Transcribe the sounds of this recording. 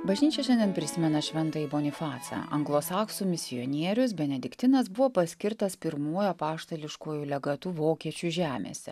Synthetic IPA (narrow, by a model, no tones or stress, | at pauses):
bɐʒʲnʲiːt͡ʃʲɛʃʲɛnʲd̪ʲɛnpʲɾʲɪsʲɪmʲɛnɐʃʲʋʲɛnt̪ɐiːboːnʲɪfɑːt̪sɑ̰ɐ̰ŋɡlˠoːsɑːksumʲɪsʲɪjɔnʲiɛɾʲʊs̬bʲɛnʲɛd̪ʲɪkt̪ʲɪnɐs̬bʊʋoːpɐsʲkʲɪɾt̪ɐspʲɪɾmuːjopɑːʃt̪ɐlʲɪʃkoːjulʲɛɡɐt̪uːʋoːkʲiɛt͡ʃʲʊʒʲæːmʲḛːsʲɛ̰